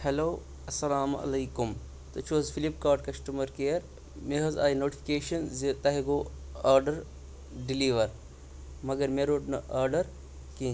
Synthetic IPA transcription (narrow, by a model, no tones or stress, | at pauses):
heloː | ɐsːɐlaːmɐ̰lɐjkum | t̪ot͡ʃʰoːzfʰilip̚kaːɾʈkɐsʈumɐɾkeɐɾ | meɦɐzaːjnoːʈi̥fi̥keːʃɐnzit̪ɐɦiɡo | aːɾɖɐɾ | ɖiliːʋɐɾ | mɐɡɐɾmeɾoːʈnɐʔɐːɾɖɐɾ | ki